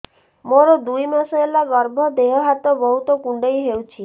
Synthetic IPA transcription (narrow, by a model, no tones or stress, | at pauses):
moɾɔd̪ujmasɔelaɡɔɾbʱɔd̪eɦɔɦat̪ɔbɔɦut̪ɔkuɳɖejɦewt͡ʃʰi